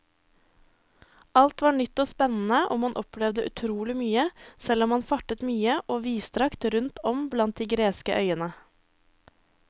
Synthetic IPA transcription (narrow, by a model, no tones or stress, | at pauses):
ɑlt̪ʋɑːɳʏt̪ːoːspɛnn̩əʔɔmhɑnʔɔpʰlɛʋd̪əʔʉ̰t̪ʰɾuːlɪmyːəsɛlɔmhɑnfɑʈət̪myːəʔoːʋiːst̪ɾɑkt̪ɾʉnt̪ʰɔmblɑnt̪̚d̪iːɡɾeːskə̰ʔœ̰ʏənə